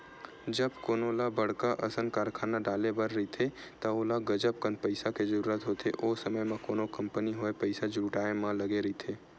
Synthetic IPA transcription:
d͡ʒəbkoːnolabəɽkaʔɐsənkaːɾkʰaːnaɖaːlebəɾːɐit̪ʰet̪aoːlaɡəd͡ʒəp̚kə̃nd̪̚pəɪsaked͡ʒəɾuːɾət̪ɦoːt̪ʰeʔoːsəməjmãkoːnokɐmpəniɦoepəɪsad͡ʒuːʈaːemãlɐɡeɾəit̪ʰeː

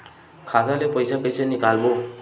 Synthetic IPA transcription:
kʰazalepɔjsakɔjsanikalbɔ

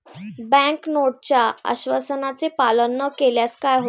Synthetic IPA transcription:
bɛ̃knoʈ̚t͡ɕjaa̰ɕʋəsənat͡sepalənːəkeljaskajɦo

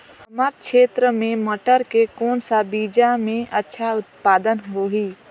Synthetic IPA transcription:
əməɾkʃeːt̪ɾəmẽməʈəɾkekɔːnsabiːd͡ʒamẽʔətːʃʰaʊt̪paːd̪ənɦoɦiː

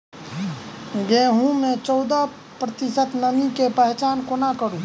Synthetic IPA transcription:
ɡeːɦũmẽt͡ʃɔʊd̪a | pɾət̪isət̪nəmikepəɦt͡ʃaːnkonakəɾũ

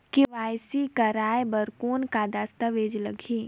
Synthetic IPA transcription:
kiʋaːjsikɐɾaːjbəɾkoːnkad̪aːst̪əʋeːd͡ʒləɡʱiː

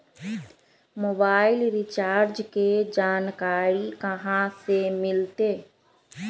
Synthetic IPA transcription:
moːbaːɪlɾɪt͡ʃaːɾd͡ʒked͡ʒaːnkaːɾikəɦãsemɪlt̪eː

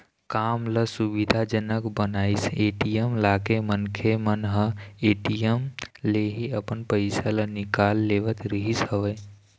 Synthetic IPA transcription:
kaːmləsubid̪ʱad͡ʒənəkbənaːiseʈijəmlaːkemənkʰemənɦəeːʈijəmleɦiəpənpəɪsalənikalːeːʋət̪ɾəɦisɦəʋə

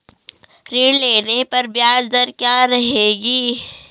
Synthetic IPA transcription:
ɾiːɽleːnepɐɾbjaːd͡ʒd̪əɾkjaːɾɐɦeːɡiː

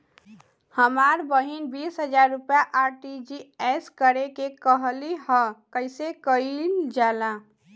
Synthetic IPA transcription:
həmaːɾbəɦinbiːsɦəd͡ʒaɾːʊpjaʔaːɾʈid͡ʒiɛskəɾekekəɦliɦə̃kəɪsekəid͡ʒaːla

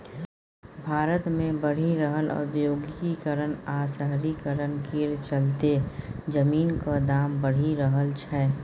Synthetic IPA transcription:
bʱaːɾət̪mẽbəɽ̤iɾəɦəlɔ̰ːd̪joːɡkikəɾənaːsəɦɾikəɾənkiɾt͡ʃəlt̪ed͡ʒəmiːnkad̪aːmbəɽ̤iɾəɦəlt͡ʃʰɛ

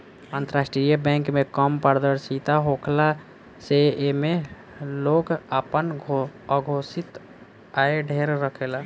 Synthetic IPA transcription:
ənt̪əɾasʈɾijəbɛ̃ŋkmekəmpəɾd̪əɾsit̪aɦokʰla | seeme | loɡəpənəɡʱosit̪ | aeɖʱeɾɾəkʰela

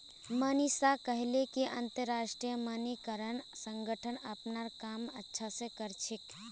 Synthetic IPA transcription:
mənisakəɦlekiʔənt̪əɾːasʈɾijəmənikəɾənsəŋɡʱəʈʰənəpnaɾkamətːʃʰasẽkəɾt͡ʃʰik

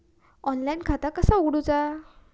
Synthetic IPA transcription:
ɔnlainkʰat̪akəsaoɡɽut͡sa

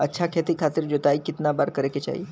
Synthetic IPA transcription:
ətːɕʰakʰet̪iːkʰat̪iːɾd͡ʑot̪aikit̪nabaɾkəɾeket͡ɕa̰ḭ

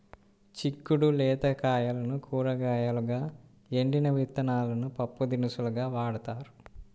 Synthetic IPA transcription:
t͡ʃikːuɽulɛːt̪ɐkaːjɐlɐnukʰuːɾɐɡaːjɐluɡaː | eɳɖinɐʋit̪ːɐnaːlɐnupɐpːud̪inisuluɡaːʋaːɽɐt̪aːɾu

